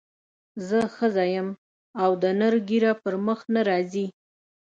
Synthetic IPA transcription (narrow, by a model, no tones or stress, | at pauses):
zəxəzɑjəm | awd̪ənəɾɡiɾapəɾməxnaɾɑzi